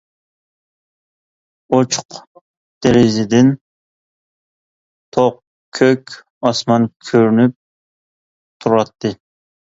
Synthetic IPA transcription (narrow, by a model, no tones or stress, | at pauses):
ot͡ʃʰʊ̥q | d̪̥eɾɪzɪd̪ɪn | t̪ʰoq | kʲʰːøkʲ | ɑsmɑnkʲʰøɾnyp̚ | t̪ʰuɾɑt̪ʰːɨ